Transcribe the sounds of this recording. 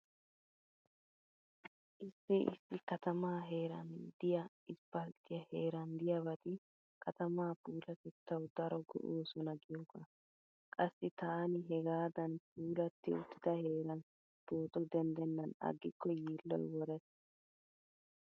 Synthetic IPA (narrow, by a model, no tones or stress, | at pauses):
ʔɪsːɪʔɪ̰sːɪkɐt̪ɐmaːɦe̞ːɾɐnd̪ɪjɐ | ɪspɐlt̪ʼɪjɐheːɾɐnd̪ɪjɐbɐt̪ɪ | kʰɐt̪ɐmaːpuːlɐt̪ɛt̪ːɐwd̪ɐɾɔɡʊ̰ʔoːsɔnɐɡɪjɔkːɐ | kʼɐsːɪt̪aːnɪɦɛɡaːd̪ɐnpʰuːlɐt̪ːɪʊt̪ːɪd̪ɐhe̞ːɾɐn | p̪oːt̪ʼɔd̪ɛnd̪ɛnːɐnɐ̰ɡːɪkːɔjiːlːɔ̰jwɔɾɛs